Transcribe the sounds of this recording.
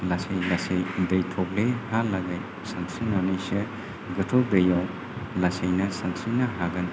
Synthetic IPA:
lasejlasejdejtʰɔk̚lehalaɡaj | saŋsinanijsɯ | ɡɯtʰɔdejaw | lasejnɐsaŋsinɐɦaɡɐn

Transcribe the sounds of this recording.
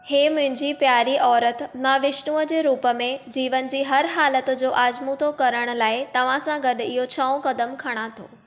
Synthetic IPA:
heːmʊ̃ɦɪ̃ɲd͡ʑipjaːɾiʔɔːɾət̪mãʋɪʃnuːəd͡ʑeːɾuːpə̆mẽd͡ʑiːʋən̆d͡ʑiːɦɐɾɦaːlət̪d͡ʑoːʔaːd͡ʑmut̪ʰokɐɾəɽ̃ʊ̆laːɪt̪ɐʋ̤ãsãɡɐɗ̆ɪɦot͡ɕʰɐõkɐd̪əmkʰɐɽ̃at̪ʰoː

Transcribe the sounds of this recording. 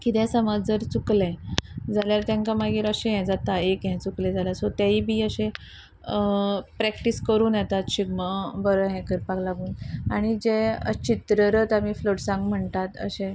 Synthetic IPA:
kit̪ɛ̃səmad͡zd͡zəɾt͡suklɛ̃d͡zaljaɾt̪jãŋkamaɡiːɾəɕɛ̃ɦɛ̃d͡zat̪aekɦɛ̃t͡suklɛd͡zaljasot̪jaiːbʱiːəɕẽ | əpɾɛkʈiskəɾuːnjɛt̪at̪ɕiɡməbəɾəɦɛ̃kəɾpaɡlaɡuːnaɽ̃id͡ʑeə̰t͡ɕit̪ɾəɾət̪amiːfloʈsãŋɡm̤əɳt̪at̪ə̰ɕẽ

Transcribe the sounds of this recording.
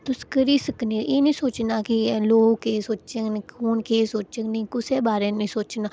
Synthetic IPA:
t̪ʊskəɾiːsəknẽːʔeːnĩːsoːt͡ʃnaːkiloːɡkeːsoːt͡ʃt͡ʃenːkoːɳkeːsoːt͡ʃsəknĩːkʊseːbaːɾẽːnĩːsoːt͡ʃnaː

